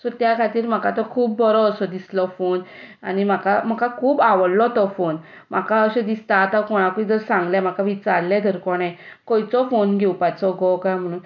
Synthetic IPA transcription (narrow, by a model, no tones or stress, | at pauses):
sɔt̪jakʰat̪iːɾm̤əkat̪ɔkʰuːbbɔɾɔːsɔd̪islɔfonaɽ̃im̤akam̤əkakʰuːbaʋəɽlɔt̪ɔfon | m̤akaəɕed̪ist̪aːt̪akɔɽ̃akuĩd͡zəɾsãŋɡlɛm̤akaʋit͡saɾlɛ̃d̪ʱəɾkɔɽ̃ɛ̃kɔjt͡sɔfonɡʱewpat͡sɔɡɔkajm̤əɽ̃ũːn